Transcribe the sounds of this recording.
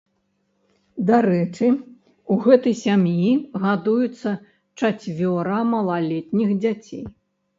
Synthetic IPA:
d̪aɾɛt͡ʂɨ | uɣɛt̪ɐjsʲamjiɣad̪ujut̪sːɐ | t͡ʂat͡sʲvʲɔɾɐmɐlˠalʲɛt̪ʲnʲixd͡zʲat͡sʲḛj

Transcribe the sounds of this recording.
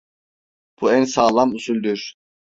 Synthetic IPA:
b̥uænsaːlˠamusulʲd̪yɾ̥

